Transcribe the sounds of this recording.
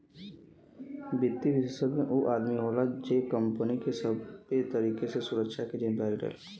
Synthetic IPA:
bɪt̪ːiʋɪʃəsəd̪meʔuʔaːd̪miɦaːlad͡ʒeːkə̃mpənikesəbet̪əɾiːkesesʊɾəkʃaked͡ʒẽbɛːɡɖḛːl

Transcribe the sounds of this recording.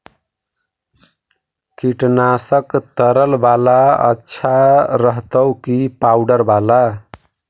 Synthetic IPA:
kiʈnasəkt̪əɾəlbalaə̰tːʃʰaɾəɦt̪əwkipawɖəɾbala

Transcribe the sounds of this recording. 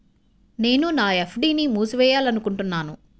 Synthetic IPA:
ne̞ːnunaːepʰɖiːnimuːsʋɛːjaːlɐnukuɳʈunːaːnu

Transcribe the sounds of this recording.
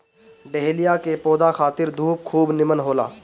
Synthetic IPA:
ɖeɦlijakepoːd̪axaːt̪ɪɾd̪ʱuːp̚kʰuːbnɪmənɦoːla̰ː

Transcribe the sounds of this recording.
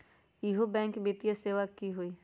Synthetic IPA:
ɪɦobɛ̃ːŋkbit̪ijaseːʋakːiɦoiː

